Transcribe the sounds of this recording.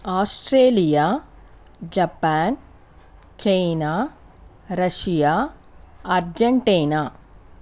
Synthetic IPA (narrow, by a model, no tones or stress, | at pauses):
aːsʈɾeːlijaː | d͡ʒɐpaːn | t͡ʃejnaː | ɾɐʃijaː | ɐɾd͡ʒɐɳʈiːnaː